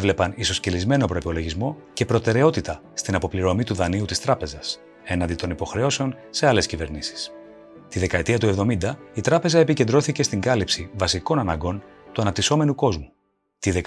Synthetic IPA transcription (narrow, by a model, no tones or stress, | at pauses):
vle̞pɐniso̞scelizme̞no̞pɾo̞ipo̞lo̞ʝizmo̞ce̞pɾo̞t̪e̞ɾe̞o̞t̪it̪ɐ | st̪inɐpo̞pliɾo̞mit̪uðɐniut̪ist̪ɾɐpe̞zɐs | e̞nɐnd̪it̪o̞nipo̞xɾe̞o̞se̞o̞nse̞ɐle̞scive̞ɾnisi̥s | t̪iðe̞kɐet̪iɐt̪ue̞vðo̞mind̪ɐit̪ɾɐpe̞zɐepice̞nd̪ɾo̞θice̞st̪iŋɡɐlipsivɐsiko̞nɐnɐŋɡo̞nt̪uɐnɐp̚t̪iso̞me̞nuko̞zmu | t̪iðe